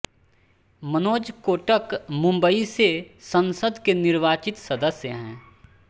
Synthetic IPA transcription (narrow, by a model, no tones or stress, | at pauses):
mənoːd͡ʒkoːʈəkmʊ̃mbəisesɐ̃nsəd̪kenɪɾʋaːt͡ʃɪt̪sɐd̪əsjəɦɛ̃ː